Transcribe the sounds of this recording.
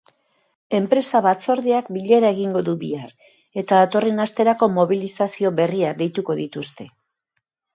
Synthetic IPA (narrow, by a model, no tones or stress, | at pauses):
e̞mpɾe̞saβat͡so̞ɾðiakbiʎeɾae̞ɣiŋɡo̞ðuβḭar | e̞t̪aðat̪o̞re̞nast̪e̞ɾako̞mo̞βilisasio̞βe̞riad̪e̞jt̪uko̞ðit̪ust̪e̞